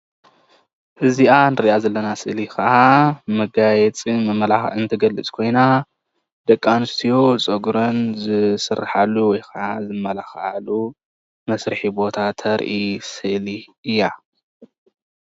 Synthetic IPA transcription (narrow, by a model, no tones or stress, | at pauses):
ʔɨziʔanɨɾiʔazɐlːɐnasɨʔlikɐʔamɐɡajɛt͡sʼimɐmɐlaɨnt̪ʰɐɡɐlːɨt͡sʼkʰo̞jna | d̪̥ɐkʼːanɨst̪ʰijot͡sʼɐɡɾonzɨsɨrːa̰ħalːuwɔjkɐʔazɨmːɐlaxʔa̰lu | mɐsɾɨħibo̞t̪ʰat̪ʰɐɾʔisɨʔliɨjːa